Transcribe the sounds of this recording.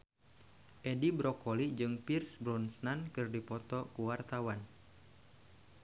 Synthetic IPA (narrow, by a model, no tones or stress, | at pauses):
ʔedibɾɔkɔlid͡ʒɨŋpirsbɾɔnsnankɨrdipɔt̪ɔkuwart̪awan